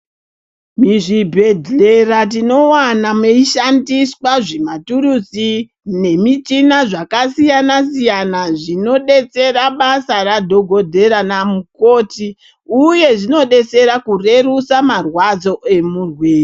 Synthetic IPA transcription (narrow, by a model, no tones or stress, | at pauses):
miʐibʱe̞dʱe̞rat̬ino̞wanameiʃandiswaʐematurusi | ne̞mit͡ʃinaʐakasijanasijanaʐino̞ɗe̞t͡se̞raɓasaɾadʱo̞ɡʱo̞dʱe̞ɾanamuko̞ːti | uje̞ʐino̞ɗe̞t͡se̞ɾakure̞rusamarwad͡zo̞ʔe̞murweːe